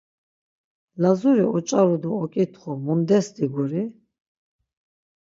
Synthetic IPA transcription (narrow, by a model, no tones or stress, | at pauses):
lazuɾiɔt͡ʃʼaɾud̪uɔkʼit̪ʰχɔmund̪ɛsd̪iɡuɾi